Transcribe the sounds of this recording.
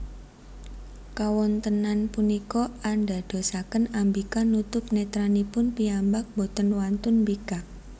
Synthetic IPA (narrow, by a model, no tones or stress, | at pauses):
kawɔnt̪ənanpunikɔanɖa̤d̪̥o̤sakənambikanut̪ʊp̚net̪ɾanipʊnpiambak̚bot̪ənwant̪ʊnbikak̚